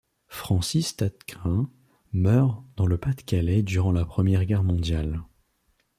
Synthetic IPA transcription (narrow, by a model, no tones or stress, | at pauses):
fχɑ̃sist̪at̪kɛ̃ | mœʁd̪ɑ̃ləpat̪kʲalɛd̪yʁɑ̃lapχəmjɛʁɡʲɛʁmɔ̃d̪jal